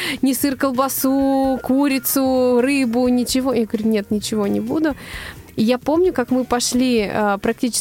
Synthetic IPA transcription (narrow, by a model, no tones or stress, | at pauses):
nʲɪsɨrkəlˠbɐsukuɾʲɪt̪sʊrɨbʊnʲɪt͡ɕɪvo̞jaɡəɾʲunʲe̞t̪nʲɪt͡ɕɪvo̞nʲɪbud̪ʊɪjapo̞mnʲʊkakmɨpɐʂlʲiəpɾɐk̚tʲit͡ɕɪ̥